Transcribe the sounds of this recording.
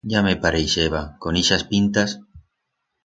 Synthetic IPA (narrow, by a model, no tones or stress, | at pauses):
ʝamepaɾejʃeβakoniʃaspint̪as